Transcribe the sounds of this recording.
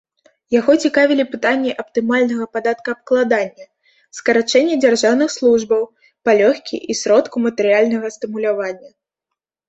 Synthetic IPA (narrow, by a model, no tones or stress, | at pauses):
jaɣɔt͡sʲikavʲilʲipɨt̪anʲːɛʔɐp̚t̪ɨmalʲnɐɣɐpad̪at̪kɐːp̚klˠad̪anʲːɐ | skɐɾat͡ʂɛnʲːɛd͡zʲarʐawnɨxslˠuʐbɐw | palʲɔxʲkʲḭʔisʲɾɔt̪kumɐt̪ɛɾɨjalʲnɐɣɐst̪ɨmulʲavanʲːɐ